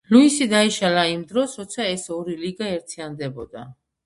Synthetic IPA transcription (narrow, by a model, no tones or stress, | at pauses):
luisid̪aiʃalaimd̪ɾɔsɾɔt̪sʰaɛsɔɾiliɡaɛɾt̪ʰiand̪ɛbɔd̪a